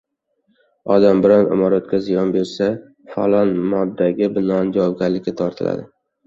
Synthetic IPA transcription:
ɒd̪ambɪɾanɪ̰mɒɾat̪̚kʲazɪjɒnbeɾsa | fa̰lˠɒnmɒd̪ːaɡʲɪbɪnɒnd͡ʒavɒb̚ɡʲaɾlɪkʲːɪt̪ʰɒɾt̪ʰɪla̰d̪ɪ

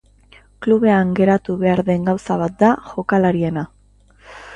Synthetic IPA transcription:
kluβe̞aŋɡe̞ɾat̪uβe̞aɾðe̞ŋɡawsaβ̞at̪̚d̪aʝo̞kalaɾie̞na

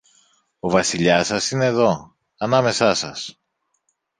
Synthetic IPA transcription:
o̞vɐsiʎɐsɐsine̞ːðo̞ | ɐnɐme̞sɐsɐs

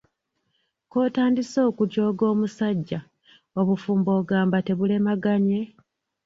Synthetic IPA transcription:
ko̞ːtaːndiso̞ːkuɟo̞ːɡo̞ːmusaɟːa | o̞βufuːmbo̞ːɡaːmbate̞βule̞maɡaɲe̞

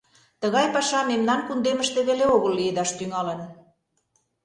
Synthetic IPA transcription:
t̪əɣɑjpɑʃɑmemnɑnkund̪eməʃt̪ĕβeleoɣəlːied̪ɑʃt̪yŋɑlə̆n

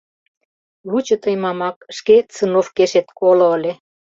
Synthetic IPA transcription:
βut͡ɕə̆t̪əjmɑmɑk̚ʃket͡sənofkeʃet̪̚kolŏəlʲe

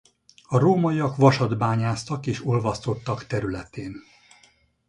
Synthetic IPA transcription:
ɒɾoːmɒiɒkʋɒʃɒd̪baːɲaːst̪ɒkeːʃo̞lvɒst̪o̞t̪ːɒkt̪ɛɾylɛt̪eːn

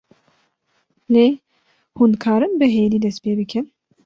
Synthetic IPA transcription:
le | hunkʰaːɾɯnbɨɦejlid̪ɛspejbɨkʰɛn

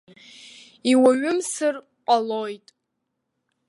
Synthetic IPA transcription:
iwaɥʊmsɨr | qʷʼalojtʼ

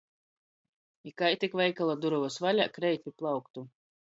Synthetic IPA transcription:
ikajt̪ʲikvɛjkalˠad̪uɾuvɔsvalʲakɾɛjt̪ʲiplˠawkt̪u

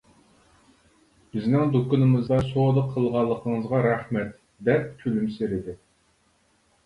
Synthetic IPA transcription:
b̥ɪznɪŋd̪okunɨmɨzd̪ɑsod̪əqʰːəlˠʁɑlˠːəqʰəŋəzʁɑɾæχmɛt̪ | d̪ɛp̚kʲʰylymseɾɪd̪ɪ

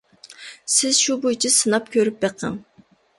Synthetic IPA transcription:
sɪzʃubojt͡ʃʰisɨnɑpkʲʰøɾyp̚beqʰəŋ

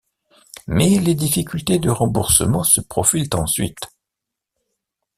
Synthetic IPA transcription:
mɛled̪ifikʲylt̪ed̪əʁɑ̃buʁsə̰mɑ̃səpχɔfilt̪ɑ̃sɥḭt̪

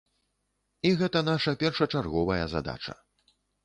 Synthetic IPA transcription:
iɣɛt̪ɐnaʂɐpʲɛrʂɐt͡ʂarɣɔvɐjɐza̰d̪a̰t͡ʂɐ̰

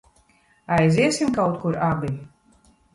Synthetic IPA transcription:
ajzʲiɛsʲimkawt̪kuɾabilʲ

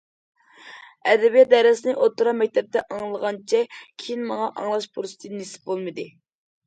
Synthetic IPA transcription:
ɛd̪ɛbijɛd̪ɛɾɨsɨnɨʔot̪ːuɾɑmɛk̚ʲt̪ʰɛp̚t̪ɛʔɑŋlˠəʁɑnt͡ʃʰɛkʲʰejinmɑŋɑʔɑŋlˠɑʃpʰuɾsɨ̥t̪ʰɨnnːesɪ̥p̚bolˠmɨd̪ɨ

